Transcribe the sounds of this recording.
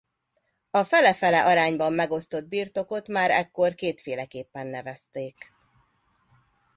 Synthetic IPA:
ɒfɛlɛfɛlɛʔɒɾaːɲbɒmːɛɡo̞st̪o̞d̪̚biːrt̪o̞ko̞t̪maːɾɛ̰kːo̞rkeːt̪feːlɛkeːpːɛnːɛvɛst̪eːk

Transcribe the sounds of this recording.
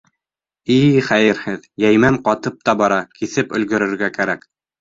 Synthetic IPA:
iχæjɘɾhɘðjæjmæɴqɑt̪ɤp̚t̪ɑbɑɾɑkiθɘpɵ̆lɡɵ̆ɾɵ̆ɾɡækæɾæk

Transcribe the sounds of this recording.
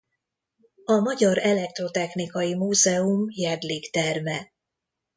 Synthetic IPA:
ɒmɒɟɒɾɛlɛk̚t̪ro̞t̪ɛxnikɒjimuːzɛumjɛd̪likt̪ɛrmɛ

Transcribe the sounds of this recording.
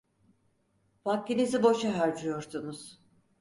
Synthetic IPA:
vakt̪inizibo̞ʃaɦaɾd͡ʒɯjo̞ɾsunuz̥

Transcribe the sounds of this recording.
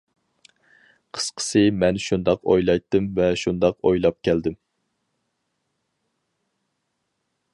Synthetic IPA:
qʰə̥sqʰə̥sɨmɛnʃund̪ɑqo̰jlˠɑjt̪ːɨmvɛʃund̪ɑqojlˠɑp̚kʲʰɛld̪ɪm

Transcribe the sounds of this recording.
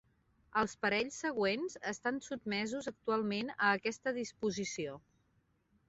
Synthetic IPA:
əlˠspəɾɛʎsːəɣ̞wenzəst̪ansud̪̚mɛzuzək̚t̪ualˠmenəːkɛst̪əðispuzisio

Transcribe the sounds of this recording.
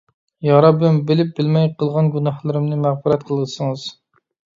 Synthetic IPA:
jɑɾɑbɪmbɪlɪp̚bɪlmɛjqʰəlˠʁɑnɡʲunɑhlˠɨɾɨmnɨmæʁfɨɾɛt̪qʰəlˠʁəsɨŋɨz̥

